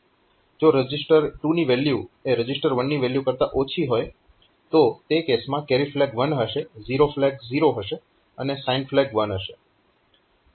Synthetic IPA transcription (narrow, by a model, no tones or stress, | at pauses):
d͡ʒoɾəd͡ʒɪsʈəɾʈuniʋeljueɾəd͡ʒɪsʈəɾʋənːiʋeljukəɾt̪aʔot͡ʃʰiɦoj | t̪ot̪ekesmãkeɾiflɛɡʋənɦəʃeziɾoflɛkziɾoɦəʃe | ənesainflɛɡʋənɦəʃe